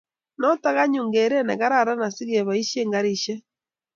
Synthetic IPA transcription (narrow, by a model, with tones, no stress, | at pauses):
nɔ˦ta˦ɣa˦ɲu˨ŋɡe˨ɾe˦na˨ɣa˦ɾa˦˨ɾa˦na˨si˦ɣe˨βa˨i˦ʃje˦ŋɡa˦ɾi˦ʃɛ˦